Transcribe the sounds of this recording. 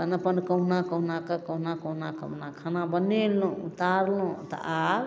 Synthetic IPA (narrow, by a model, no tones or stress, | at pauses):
ənəpənkəɦunakəɦnakəkəɦnakəɦnakə̰nakʰanabənelũut̪aɾlũt̪ɔ̰ʔa